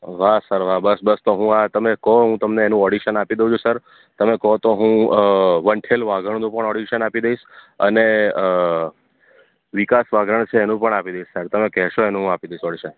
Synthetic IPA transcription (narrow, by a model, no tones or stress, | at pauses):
ʋasəɾʋ̤abəsbəst̪oɦũat̪əmekɔɦũt̪əmneːnũɔɽiʃənapid̪eũt͡ʃʰusəɾ | t̪əmekɔt̪oɦũʋəɳʈʰelʋaɡəɳ̃nũpəɳɔɽiʃənapid̪eiʃə̰ne | ʋikasʋaɡɾəɳ̃t͡ʃʰeːnũpəɳapid̪eiʃsəɾt̪əmekɛɦʃoenũɦapid̪eiʃɔɽiʃən